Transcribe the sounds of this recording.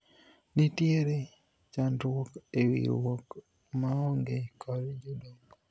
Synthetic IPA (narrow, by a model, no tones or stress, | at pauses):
nitjeɾe | t͡ʃandwɔkewḭɾwɔk | maɔŋɡekʰɔɾd͡ʒodoŋɡ